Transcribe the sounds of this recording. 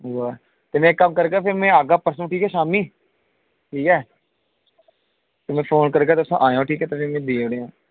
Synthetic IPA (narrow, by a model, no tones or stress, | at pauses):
waː | t̪eːmẽːkəmkəɾkeapʰɪɾmẽːaːɡaːpəɾsəñːʈʰiːkɦɛːʃaːmiː | ʈʰiːkɛː | t̪emẽːfʰoːnkəɾk̬eːt̪osãʔaːjõːʈʰiːkɛːt̪eːpʰɪɾmẽd̪eːɽeõː